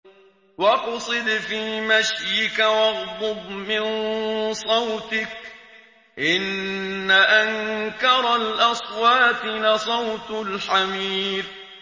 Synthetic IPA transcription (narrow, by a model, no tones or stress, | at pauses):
wɑqsˤɨd̪fiːmaʃjɪkawɑɣb̪ʊbmɪnnsˤɑwt̪ɪk | ʔɪnːaʔaŋkɑɾˤalʔɑsˤwɑːt̪ɪlɪsˤɑwt̪ʊlħamiːθ